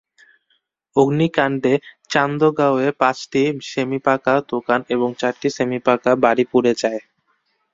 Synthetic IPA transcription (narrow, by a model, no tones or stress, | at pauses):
oɡnikaɳɖet͡ɕand̪oɡaoepãt͡ɕʈiʃemipakad̪okaneboŋt͡ɕaɾʈiʃemipakabaɾipuɾed͡ʑae